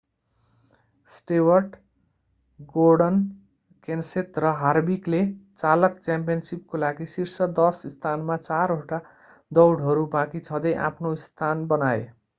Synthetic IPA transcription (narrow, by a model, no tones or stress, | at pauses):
sʈewʌrʈ | ɡorɖʌn | kenset̪rʌɦarbiklet͡salʌkt͡sjãmpijʌnsip̚kolaɡisirsʌd̪ʌsst̪ʰanmat͡saɾɦoʈa | d̪ʌwɽɦʌɾubãkit͡sʰʌd̪ʌjʔã̰pʰnoist̪ʰanbʌnae